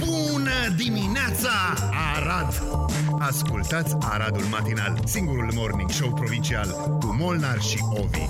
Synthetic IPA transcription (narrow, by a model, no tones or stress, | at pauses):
bu | nə | d̪imineat̪sa | a | ɾad̪ | askult̪at̪sʲaɾad̪ulmat̪ina̰lsiŋɡuɾulmo̞rniŋɡʃowpɾo̞vint͡ʃial | kumo̞lnarʃi | o̞vḭ